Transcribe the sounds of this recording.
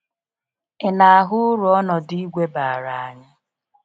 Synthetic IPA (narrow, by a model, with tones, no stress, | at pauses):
ɪ˨na˨a˨ɦʊ˦ʊ˦ɾu˨ɔ˦nɔ˨di˦i˦ɡʷe˦ba˨a˨ɾa˨a˨ɲa˦